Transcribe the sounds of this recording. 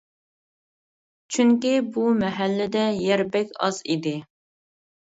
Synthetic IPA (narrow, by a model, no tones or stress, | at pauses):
t͡ʃʰyŋkʲibumɛɦɛlːɪd̪ɛjɛɾbɛkʲɑ̰zid̪ɪ